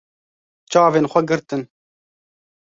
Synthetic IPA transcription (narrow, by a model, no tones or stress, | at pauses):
t͡ʃɑːveːnxʷɛɡɨɾt̪ɨn